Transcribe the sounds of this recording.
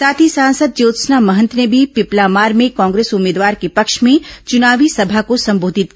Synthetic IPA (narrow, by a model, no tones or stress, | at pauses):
saːt̪ʰisãːnsəd̪̚joːt̪snamɐɦə̃nt̪nebʱipɪplaːmaːɾmẽkãːŋɡɾeːsʊmeːd̪ʋaːɾkepɐkʃmẽt͡ʃʊnaːʋisɐbʱakosɐ̃mboːd̪ʱɪt̪̚k